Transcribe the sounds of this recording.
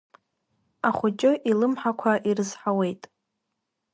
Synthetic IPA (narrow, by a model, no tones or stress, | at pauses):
aχʷʊt͡ʃʼʊʔilɨmħakʷʰaʔirɨzħawe̞jtʼ